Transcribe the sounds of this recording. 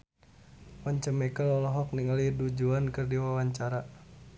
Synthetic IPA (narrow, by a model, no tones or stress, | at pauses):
wɔɲt͡ʃəmɛkəlɔlɔɦɔk̚niŋəlidud͡ʒuankɨrdiwawaɲt͡ʃaɾa